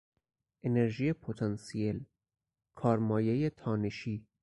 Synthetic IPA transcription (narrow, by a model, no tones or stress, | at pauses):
ʔene̞ɾʒiːjepʰot̪ʰɑnsiel | kʰɒːɾmɒːjejet̪ʰɒːneʃiː